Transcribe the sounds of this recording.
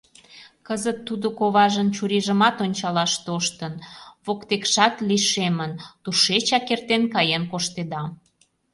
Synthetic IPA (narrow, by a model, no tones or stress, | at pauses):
kəzət̪ːud̪okoβɑʒənt͡ɕuɾiʒə̆mɑt̪onʲt͡ɕɑlɑʃt̪oʃt̪ənβokt̪ekʃɑt̪liʃemənt̪uʃet͡ɕɑkert̪enkɑjenkoʃt̪ed̪ɑ